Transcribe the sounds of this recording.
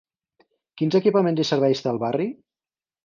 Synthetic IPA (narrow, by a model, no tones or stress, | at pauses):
kinzəkipəmẽnzisəɾβɛjst̪eəlˠβari